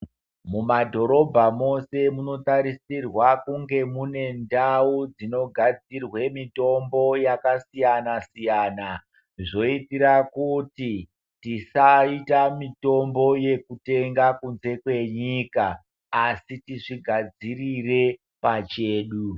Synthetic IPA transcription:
mumadʱo̞ɾo̞bʱamo̞se̞muno̞taɾisirwakuŋɡe̞mune̞ndaud͡zino̞ɡʱad͡zirwe̞mito̞mbo̞jakasijanasijaːna | ʐo̞itiɾakuti | tisaitamito̞mbo̞je̞kute̞ŋɡakunze̞kwe̞ɲiːkaː | sitiʂiɡʱad͡zirire̞ | pat͡ʃe̞ːɗu

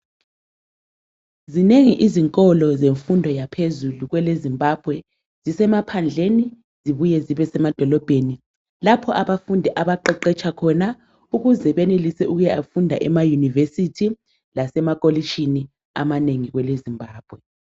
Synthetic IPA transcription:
zineŋiʔiziŋkʼɔlɔzeɱfundʱɔjapʰezuluɣwɛlezimbʱab̥ʱwɛ | z̥isɛmapʰand͡ɮʱeni | ziβujɛziβɛsɛmad̥ʱɔlɔb̥ʱeni | lapʰɔʔaβafundʱɛʔaβaǃɛǃɛt͡ʃʰʼakʰɔna | uɣuzɛβɛnelisɛuɣujɛafundʱa̰ʔɛmajunivesitʰi | lasɛmakʼolit͡ʃʰini | a̰maneŋiɣwɛlezimbʱaːb̥ʱwɛ

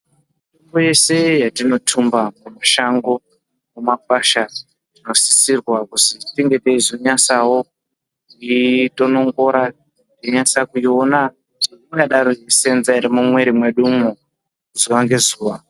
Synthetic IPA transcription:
toŋboje̞se̞jatino̞tʰumbamumaʃaŋɡo̞ | mumak̚waʃa | rino̞si̥sirwakutitiŋɡe̞teizoɲasawo | ito̞no̞ŋɡo̞ɾa | toɲasakujio̞na | tiiŋɡaɗaɾojese̞nzaiɾimumwe̞ɾimweɗumu | zuʋaŋɡe̞zuːʋa

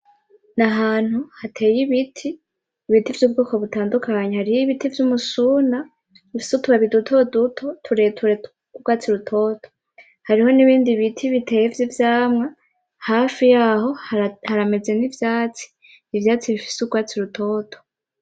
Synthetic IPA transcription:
naɦaːn̥huhatʰe̞ːjiβitʰiː | βitivjuːb̚ɡoːko̞βutaːndukʰaɲehaɾijiβitivjumusuːna | βifi̥sutuβaβidutʰo̞dutʰo̞tʰuɾetʰuɾe | uɡwaːt͡siɾutʰo̞ːto̥ | haɾiho̞niβiːndiβitʰiβitʰe̞ːjevjivjaːmŋa | haːfijaːho̞hhaɾame̞ze̞nivjaːt͡si̥ː | vjaːt͡siβifi̥seuɡwaːt͡siɾutʰo̞ːtʰo̥

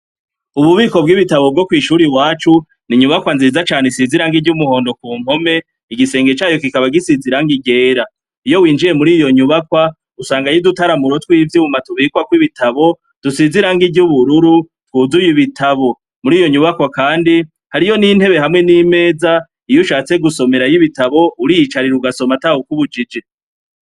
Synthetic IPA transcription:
uβuβiːko̞b̚ɡiβitaβo̞b̚ɡokwiːʃuɾiwaːt͡ʃu | niɲuβakwanzizat͡ʃaːnesiziɾaŋɡiɟumuho̞ːndo̞kuːm̥ho̞me̞ | iɡise̞ːŋɡe̞t͡ʃaːjo̞k̬ikaβaɡisiziɾaŋɡiɡe̞ːɾa | ijo̞wiːnd͡ʒiɾe̞muɾiːjo̞ɲuβakwa | usaːŋɡajidutaɾamuɾotwiːvjuumatuβiːkwakwiβitʰaβo̞ | d̥usiziɾaŋɡiɟuβuɾuɾu | twuːzujiβitʰaβo̞ | muɾiːjo̞ɲuβakwakaːndi | haɾijo̞nin̥he̞βe̞ɦamŋe̞nime̞ːza | ijuʃaːt͡se̞ɡusome̞ɾajiβitaβo̞uɾijit͡ʃaɾiɾuɡaso̞matahukuβud͡ʒid͡ʒe

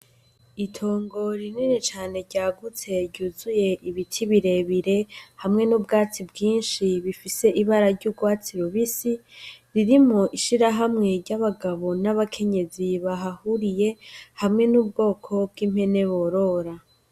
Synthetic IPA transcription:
itʰo̞ːŋɡo̞ɾininit͡ʃaːne̞ɾɟaːɡut͡se̞ɟuːzuje̞ʔiβitʰiβiɾe̞βiɾe̞hamŋe̞nuːbɡaːt͡sibɡiːnʃiβifise̞ʔiβaɾaɾɟubɡwaːt͡siɾoβisiɾiɾimŋo̞ʔiʃiɾaɦamŋe̞ɾɟaβaɡaβo̞naβakʰe̞ɲe̞ziβaɦahuɾije̞hamŋe̞nuːb̚ɡo̞ːkʰo̞bɡiːmhe̞ne̞βo̞ɾo̞ɾa

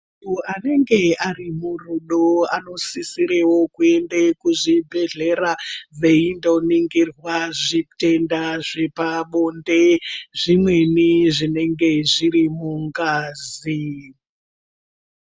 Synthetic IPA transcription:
utuane̞ŋɡe̞arimuruɗoano̞sisiɾewokue̞ndekuʐibʱe̞ɮe̞rave̞indo̞niŋɡirwaʐitendaʐepaɓondeʐimwe̞niʐine̞ŋɡe̞ʐiɾimuŋɡaːzi

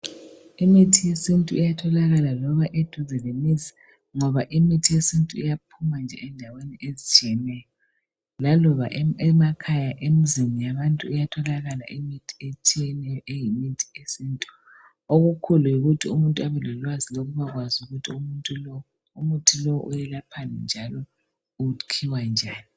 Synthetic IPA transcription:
imitʰijesintʼuijatʰɔlaɣalalɔβaʔed̥ʱuzɛlemizḁ | ŋɔβaʔimitʰijesintʼuijap̚ʰumand͡ʒʱɛ̰ɛndʱaweniʔezit͡ʃʼiɛnɛjɔ | lalɔβa̰ʔɛmakʰajaʔemizinijaβantʼuujatʰɔlaɣala̰ʔimitʰi̥et͡ʃʰiɛnɛjɔʔejimitʰi̥esintʼu | oɣukʰulujiɣutʰiumuntʼuaβɛlɛlwaziloɣuβaɣwazuɣutʰiuutʼu | umutʰilɔwʔujɛlapʰanɛ̰nd͡ʒʱalɔ | ukʰiwand͡ʒʱaːni

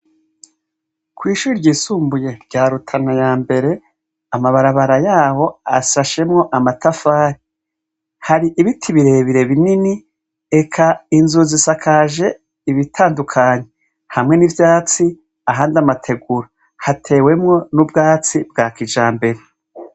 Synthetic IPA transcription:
kwiːʃuːɾiɾɟiːsuːmbuje̞ɾɟaːɾutʰanajaːmbe̞ɾe̞ | amaβaɾaβaɾajaːho̞a̰saʃe̞mŋo̞ʔamatafaːɾi | haɾiʔiβitʰiβiɾe̞ːβiɾe̞βinini | ekʰainzuzisakʰaːʒe̞ | iβitʰaːndukʰaɲe̞ | hamŋe̞nivjaːt͡si | aɦaːndamatʰe̞ɡuɾo | hatʰe̞ːwe̞mŋo̞nubɡaːt͡sibɡaːkid͡ʒaːmbe̞ɾe̞

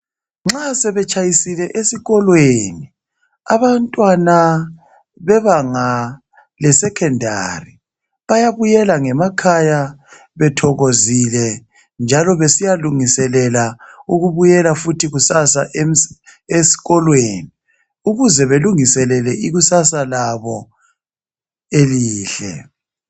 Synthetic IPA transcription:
ŋ͡ǁasɛβɛt͡ʃʼajisilɛʔesiɣɔlweni | aβantʼwana | βɛβaŋa | lɛsɛkʰɛndʱa̰ri | βajaβujɛlaŋɛmakʰaja | βɛtʰɔɣozilɛ | nd͡ʒʱalɔβesijaluŋisɛlɛlauɣuβujɛlafutʰiɣusasaʔemesi̥ɣɔlweːni | uɣuzɛβeluŋisɛlɛlɛʔiɣusasalaβɔ | eliːɬɛ̰

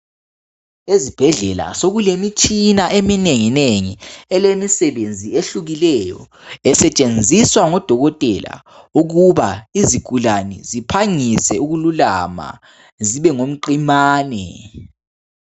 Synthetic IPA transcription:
ezib̥ʱɛɮɛla̰soɣulemit͡ʃʼinaʔemineŋineŋiɛlemisɛβend͡zʱieɬuɣilɛjɔ̰ | ɛsɛt͡ʃʼend͡zʱiswaŋɔd̥ʱɔɣɔtʼɛ̰la̰ | uɣuβaiziɡ̥ʱulanɛ̰zipʰaŋisɛuɣulula̰ma̰ | ziβɛŋom̩ǃimaːnɛ̰

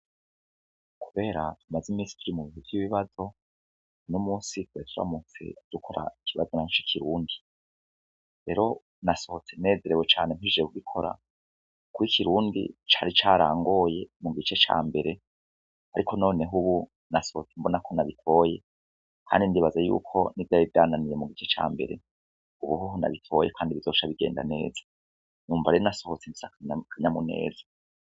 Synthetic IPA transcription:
kʰuβe̞ːɾatumazimisi̥tiɾimuβihuvjiβiβazo̞ | numuːsitwetʰuɾa̰mut͡sḛd̥ukʰo̞ɾa̰ikiβazonat͡ʃikʰiɾuːndi | ɾe̞̰ːɾo̞ | naso̞hot͡se̞ne̞ːze̞ɾeβwet͡ʃa̰ːnemhiʒekuɡikʰo̞ɾa̰ | kuikʰiɾuːndḭt͡ʃaːɾit͡ʃaːɾa̰ːŋɡo̞je̞muɡit͡ʃe̞t͡ʃa̰ːmbe̞ɾe̞ | haɾikʰo̞no̞ːne̞ɦuβu | naso̞hot͡sembonakʰo̞naβitʰo̞ːje | kʰa̰ːndindiβazajṵːkʰo̞nivjaivjaːnanije̞muɡit͡ʃe̞t͡ʃa̰ːmbe̞̰ɾe̞̰ | uβuɦuɦuna̰βitʰo̞jekʰaːndiβizo̞ːʃaβiɡe̞ːnda̰ne̞̰ːzḁ | nuːmvaɾeɾnaso̞hot͡semi̥sakɲkʰaɲamune̞̰ːzḁ

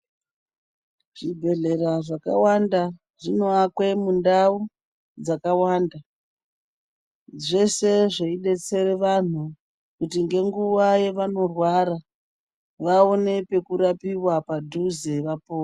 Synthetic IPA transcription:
ʐ̥ibʱe̞ɮe̞ɾaʐaka̰wanda | ʐino̞akwe̞mundau | d͡zakawaːnda | ʐe̞se̞ʐeiɗe̞t͡se̞reʋan̤u | kutiŋɡe̞ŋɡuʋaje̞ʋano̞rwaɾa | ʋao̞ne̞pe̞kuɾapiwapadʱuzeʋapoː

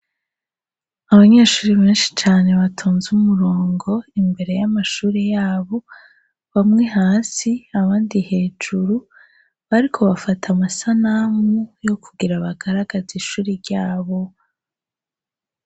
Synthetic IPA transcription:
aβaɲeːʃuːɾiβe̞ːnʃi̥t͡ʃaːne̞βatʰoːnzumuɾoːŋɡo̞imbe̞ɾe̞jamaʃuːɾejaːβo̞ | βamŋe̞ɦaːsiaβaːndihe̞ːd͡ʒuɾu | βaɾikʰo̞βafatʰamasanamujo̞kʰuɡiɾaβaɡ̥aɾaɡaziʃuːɾiɾɟaːβo̞

